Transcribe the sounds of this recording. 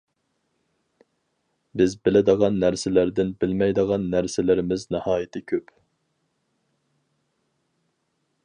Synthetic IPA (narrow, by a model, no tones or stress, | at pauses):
bɪzbɪlɪd̪əʁɑnːæɾsɪlæɾd̪ɪnbɪlmɛjd̪əʁɑnːæɾsɪlɪɾɪmɪznɨhɑːjɪt̪ʰɪkʲʰøp